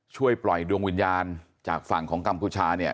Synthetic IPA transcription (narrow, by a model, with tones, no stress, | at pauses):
t͡ɕʰu˥˩əjplɔ˨˩jdu˧əŋwi˧njaː˧n | t͡ɕaː˨˩k̚fa˨˩ŋkʰɔː˩˦ŋka˧mpʰuː˧˩t͡ɕʰaː˧ni˥˩ɐ